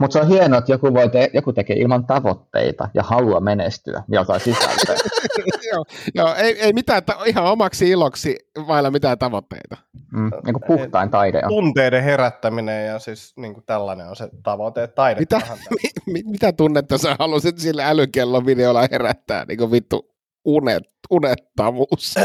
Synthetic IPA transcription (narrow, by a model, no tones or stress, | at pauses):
mut̪seohienoet̪jokuʋoit̪ejokut̪ekeːʔilmɑnt̪ɑʋot̪ːḛit̪ɑ̰jɑ̰hɑluɑmenest̪y̰æ̰miælsɑisisæ̰lːæjoːjoːeˑieˑimit̪æːt̪ɑihɑomɑksiiloksiʋɑˑilːɑmit̪æːt̪ɑʋot̪ːḛit̪ɑiŋkuppuht̪ɑˑint̪ɑidḛunt̪eideheræt̪ːæminejjɑsisniːŋkut̪ælːæneonset̪ɑʋot̪et̪ɑidemit̪æimimit̪æt̪unːet̪ːɑsehɑlusit̪silːæælykelːoʋʋideolːɑheræt̪ːæ̰ːnnʔḭːŋkuʋʋit̪ːṵ | ʔunḛtunet̪ːɑʋuːs